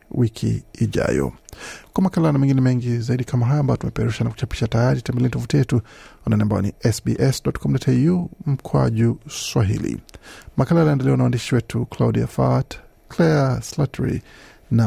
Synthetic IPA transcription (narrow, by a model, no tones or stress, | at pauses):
wikʰḭːʄa̰jɔ̰kwamakalanamɛŋɡinɛmɛŋɡizaiɗikʰamaɦajɔaːmbajɔtumɛpɛɾuʃanaku̥t͡ʃapi̥ʃatajaɾitɛmbɛlɛnitɔfutijɛtuwananiambajɔ̰nḭɛsbiʔɛsɗɔtkʰɔm̩dɔtʰɛjum̩kʰwa̰ʄuswaɦḭlḭmakalanaɛndɛlɛwanawandiʃiwɛtuklaudia̰fat | kʰlɛaslatɹḭ | na